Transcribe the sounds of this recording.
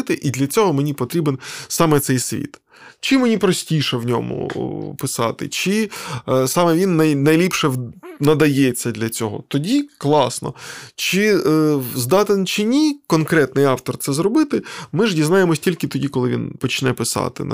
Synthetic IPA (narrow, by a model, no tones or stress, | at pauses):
t̪ɪʔid̪lʲɐt͡sʲɔɦɔmenʲipɔt̪ɾʲibensɑmɛt̪sɛjsʲʋʲḭt̪ | t͡ʃɪmenʲipɾɔsʲtʲiʃɛwnʲɔ̰mʊ̰pɪsɑ̰t̪ɪ̰t͡ʃɪ | sɑmɛʋʲinːɐjnɐjlʲipʂɛnɐd̪ɐjɛt͡sʲːɐd̪lʲɐt͡sʲɔɦɔ̰t̪ɔdʲiklˠɑsnɔ̰t͡ʃɪ | zd̪ɑt̪ent͡ʃɪnʲikɔnkɾɛt̪nɪjɑwt̪ɔrt̪sɛzɾɔbɪt̪ɪmɪʒdʲiznɑjemɔsʲtʲilʲkɪt̪ɔdʲikɔlˠɪʋʲḭnpɔt͡ʃnɛpɪsɑ̰t̪ɪ̰n